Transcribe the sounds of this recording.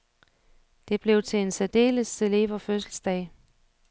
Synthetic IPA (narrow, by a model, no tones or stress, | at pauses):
d̥e̝b̥le̝ʊt͡sʰe̝ensæd̥e̝̰ːləsele̝ːʋɐføsl̩sd̥ɛ̰ɪ